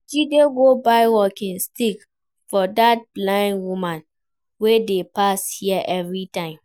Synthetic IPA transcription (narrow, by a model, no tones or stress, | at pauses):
dudeɡobaɪwɔkĩnstik | fɔdat̚blãɪ̃ndwumãn | wedepashiɛʔɛvɹitãɪ̃m